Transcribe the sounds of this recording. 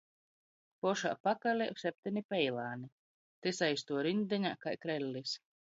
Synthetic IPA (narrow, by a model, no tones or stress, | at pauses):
pɔʃa̰ːpakalʲɛsʲɛp̚t̪ʲenipɛjlˠaːni | t̪esajst̪uɔɾind̪ʲɛɲakajkɾɛlʲːis